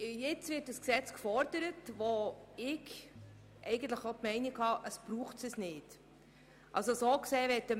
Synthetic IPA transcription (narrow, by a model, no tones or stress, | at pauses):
jɛt͡svɪt̚dəsksɛt͡skfɔɾdəɾətvoɪɡ | ʔɛ̰ɪɡən̩t̪ləχotmɛɪnikhɑːʔəsb̥ɾuːχtsəsnɪd | ʔɑ̰lsosoːkseːvɛtə